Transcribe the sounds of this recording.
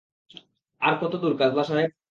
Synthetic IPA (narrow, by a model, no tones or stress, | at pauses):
aɾkɔt̪od̪uɾkad̪baʃae